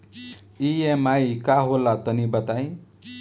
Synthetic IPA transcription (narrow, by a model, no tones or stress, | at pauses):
iemajikaɦolat̪ʌnibʌt̪aj̃